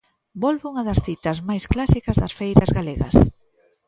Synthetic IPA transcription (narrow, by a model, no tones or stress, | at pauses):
bɔlβuŋɐðɐsθit̪ɐzmajsklasikɐzðɐsfejɾɐzɣaleɣɐ̰s